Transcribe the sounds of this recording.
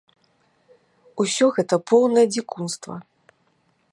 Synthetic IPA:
usʲɔɣɛt̪ɐpʰɔwnɐjɐd͡zʲikunst̪vɐ̰

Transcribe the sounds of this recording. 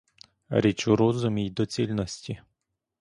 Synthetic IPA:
ɾʲit͡ʃʊɾɔzʊmʲijd̪ɔt͡sʲilʲnɔsʲtʲi

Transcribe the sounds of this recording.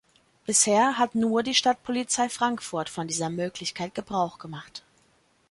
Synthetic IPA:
b̥ɪsheːɐɦatnuːɐdiːʃtat̚pʰolit͡saɪfʁ̥aŋkfʊɐtfɔndiːzɐmøːklɪçkʰaɪt̚ɡ̥əbʁaʊχɡ̥əmaχt

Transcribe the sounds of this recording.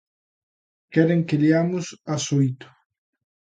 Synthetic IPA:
kɛɾeŋkeliamusasoit̪o̥

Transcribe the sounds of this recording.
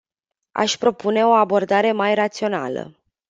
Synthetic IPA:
a̰ʃʲpɾo̞pune̞o̞abo̞rd̪aɾe̞majrat̪sio̞na̰lə̰

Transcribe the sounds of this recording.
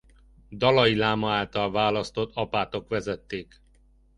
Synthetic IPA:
d̪ɒlɒjilaːmɒaːlt̪ɒlvaːlɒst̪o̞t̪ʰːɒpaːt̪o̞kʋɛzɛt̪ːeːk

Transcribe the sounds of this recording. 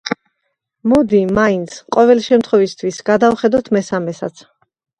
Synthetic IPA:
mɔd̪imaint̪sʰqʼɔvɛlʃɛmt̪χwɔvist̪ʰwisɡ̥ad̪avχɛd̪at̪ʰmɛsamɛsa̰t̪sʰ

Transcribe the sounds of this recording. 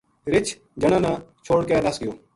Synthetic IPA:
ɾɪt͡ʃʰ | d͡ʒəɽ̃ãːnãːt͡ʃʰoːɽkeːd̪əsɡɪjoː

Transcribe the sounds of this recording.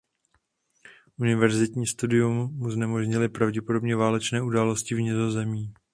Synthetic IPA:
ʔunɪvɛɾzɪt̪ɲiːst̪udɪjumːuznɛmoʒɲɪlɪpɾavɟɛpodo̞bɲɛvaːlɛt͡ʃnɛːʔudaːlo̞scɪvɲɪzo̞zɛmiː

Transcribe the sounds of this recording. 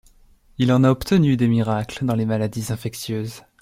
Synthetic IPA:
ilɑ̃naɔpt̪ənyd̪emiʁakld̪ɑ̃lemalad̪izɛ̃fɛksjøːz

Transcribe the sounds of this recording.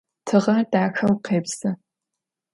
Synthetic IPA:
tʰɨʁɐdaːxɐwqeːbsɐ

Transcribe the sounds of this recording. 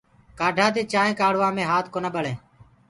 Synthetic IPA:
kaːɖʱãːt̪eːt͡ʃaːẽːkaːɽ̤ʋãːmẽːɦaːt̪ʰkoːnəɓəɭẽː

